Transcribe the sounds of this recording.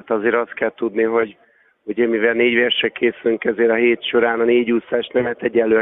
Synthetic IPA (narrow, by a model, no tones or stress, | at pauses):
at̪ɒzeːɾɒst̪̚kɛlt̪ud̪niɦo̞ɟ | uɟɛmivɛlneːɟʋɛrʃɛkeːsylyŋkɛzeːɾɒɦeːt̪ʃo̞ɾaːnɒneːɟuːsːaːʃnɛmɛt̪ɛɟːɛllːøː